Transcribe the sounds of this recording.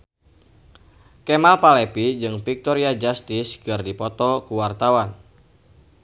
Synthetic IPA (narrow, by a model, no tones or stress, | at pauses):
kemalpalɛpid͡ʒɨŋpik̚t̪ɔɾiad͡ʒast̪iskɨrdipɔt̪ɔkuwart̪awan